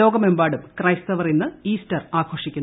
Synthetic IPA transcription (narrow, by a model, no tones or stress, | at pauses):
o̞ːɡɐmembaːɽumkrɐjst̪ɐʋɐrinːɨiːstɐraːkʰoːʂikʲːunː